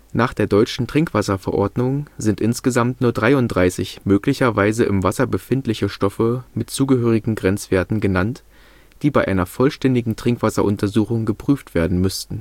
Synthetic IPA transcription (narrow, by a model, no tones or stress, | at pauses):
naːχd̥eːɐdɔʏt͡ʃn̩tʁ̥ɪŋkv̥asɐfɛɐʔɔɐdnʊŋzɪntʔɪnsɡ̥əzamtnuːɐdʁaɪʊntd̥ʁaɪsɪçmøːklɪçɐvaɪzəʔɪmvasɐbəfɪntlɪçəʃtɔfəmɪtt͡suːɡəɦøːʁ̞ɪɡŋ̩ɡʁɛnt͡sv̥eːɐtn̩ɡənant | d̥iːbaɪʔaɪnɐfɔlʃtɛndɪɡŋ̩tʁ̥ɪŋkv̥asɐʔʊntɐzuːxʊŋɡəpʁ̥yːftv̥eːɐdn̩mʏstn̩